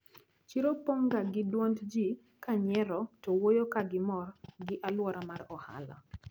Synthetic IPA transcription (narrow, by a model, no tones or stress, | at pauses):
t͡ʃiɾopoŋɡaɡɪdwontd͡ʒi | kaɲɛɾɔtɔwojokaɡɪmɔrɡɪʔalwɔɾamarɔha̰lɔ̰